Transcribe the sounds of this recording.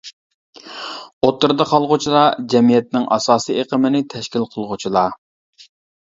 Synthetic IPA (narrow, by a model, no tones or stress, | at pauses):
ot̪ːɨɾd̪ɑqʰɑlˠʁʊt͡ʃʰilˠɑd͡ʒɛmijɛt̪̚nɪŋʔɑsɑːsieqʰəmɪnɪt̪ʰɛʃkʲilˠqʰəlˠʁʊt͡ʃʰilˠɑ